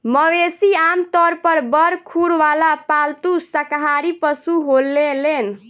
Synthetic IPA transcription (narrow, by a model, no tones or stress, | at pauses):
məʋesiamt̪ɔɾpəɾbəɾkʰuɽʋalapalt̪usəkɦaɾipəsuɦolːelen